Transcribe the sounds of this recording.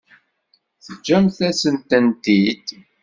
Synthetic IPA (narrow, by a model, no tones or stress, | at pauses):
θəd͡ʒːæmθæsənt̪ənt̪id̪